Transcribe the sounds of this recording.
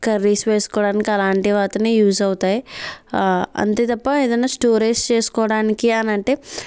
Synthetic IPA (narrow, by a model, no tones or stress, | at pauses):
kɐɾːiːsʋeːsu̥kɔːɽaːnikiɐlaːɳʈiʋaːt̪ɐneːjuːzɐwut̪aːji | ɐ̰nt̪e̞ːt̪ɐpːɐeːd̪ɐnːaːsʈoːɾeːst͡ʃeːsu̥kɔːʋɐɽaːnikiɐnɐɳʈe̞ː